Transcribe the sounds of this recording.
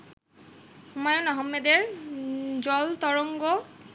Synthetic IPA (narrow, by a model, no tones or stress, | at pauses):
umɔjonɔɦɔmːed̪eɾ | d͡ʑɔlt̪ɔɾoŋɡo